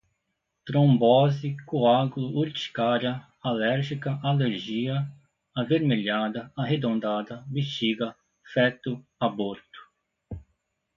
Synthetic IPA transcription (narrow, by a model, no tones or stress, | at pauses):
t̪ɾõbɔzikuaɡlʊuɾt͡ʃi̥kaɾjɐ | alɛɾʒikɐʔaleɾʒiɐ | aveɾmeʎad̪ɐaɦed̪õnd̪ad̪ɐbiʃt͡ʃiɡɐ | fɛt̪ʊaboɾt̪ʊ̥